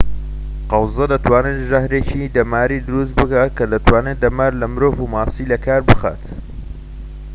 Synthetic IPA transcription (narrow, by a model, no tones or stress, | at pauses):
qɑwzɐd̪ɐt̪ʰwaːneːt̪ʒɐhɾet͡ʃid̪ɐmaːɾiːd̪ʊɾust̪̚bɨkaːt̪̚kʰɐd̪ɐt̪waːned̪ɐmaːɾlɐmɨɾoːvumaːsiːlɐkʰaːɾbɨxa̰ːt̪